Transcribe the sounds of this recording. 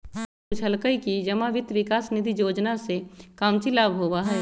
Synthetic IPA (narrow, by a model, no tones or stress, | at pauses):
ʊt͡ʃʰɐlkəikid͡ʒɐmaʋɪt̪ʋɪkaːsnɪd̪ʱijoːd͡ʒnasekaːmt͡ʃilaːbɦoːwaɦɛː